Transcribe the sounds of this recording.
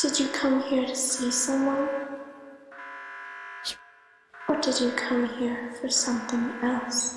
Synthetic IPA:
d̥ɨd͡ʒɨkʰʌ̃mhiɹtʰɨsisʌ̃mwʌ̃n | ədɨd͡ʒɨkʰʌ̃mhiɹfə˞sʌ̃mθɪ̃ŋɛlˠs

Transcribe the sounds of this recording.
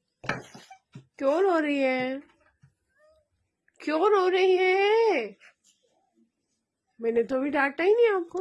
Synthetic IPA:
kjoːɾɦoːɾɐɦiɦɛː | kjoːɾɦoːɾɐɦiɦɛ̃ | mɛːnet̪obʱiɖaːʈainĩaːp̚koː

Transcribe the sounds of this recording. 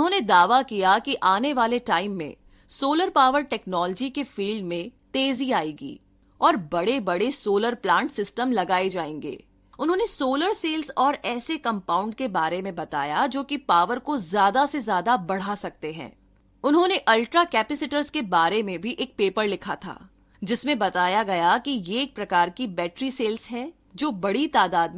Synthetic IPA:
ʊɦõːned̪aːʋakijakiʔaːneʋaːleʈaːɪmːḛ̃ | soːləɾpaːʋəɾʈɛːknɔːləd͡ʒikefiːlɖmẽt̪eːziaːiːɡḭː | ɔːɾbɐɽebɐɽesoːləɾplãːɳʈsɪsʈəmlɐɡaːed͡ʒaːḛ̃ːŋɡḛː | ʊnɦõːnesoːləɾseːlzɔːɾɛːsekɐ̃mpaːʊ̃ɳɖkebaːɾemẽbɐt̪a̰ːjad͡ʒoːkipaːʋəɾkozjaːd̪asezjaːd̪abɐɽ̤asɐk̚t̪eɦɛ̰̃ː | ʊnɦõːneʔɐlʈɾakɛːpɪsɪʈəɾzkebaːɾemẽbʱiʔeːk̚peːpəɾlɪkʰat̪ʰa̰ː | d͡ʒɪsmẽbɐt̪aːjaɡɐjakijeːk̚pɾɐkaːɾkibɛːʈɾiseːlzɦɛ | d͡ʒoːbɐɽit̪aːd̪aːd̪̚

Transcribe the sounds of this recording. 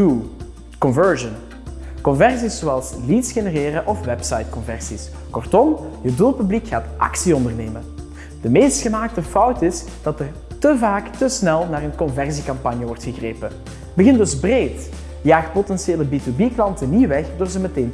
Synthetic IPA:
u | kɔnvɜɹʒən | kɔnvɛrsisːoɑlˠslitsxenəreːɾəʔɔfʋɛpsɑjt̚kɔnvɛrsis | kɔrtɔmjəduːlˠpyblikxaːtʔɑ̰ksiɔndərneːmən | d̥əmeːstxəmaːk̚təfɔwtɪs | d̥ɑtər | təvaːktəsnɛlˠnaːrənkɔnvɛrsikɑmpɑnjəʋɔrtxəɣreːpə | bəɣɪndɵzbreːt | jaːxt̚potɛnseːləbitubiklɑntəniʋɛxdoːrzəməteːn

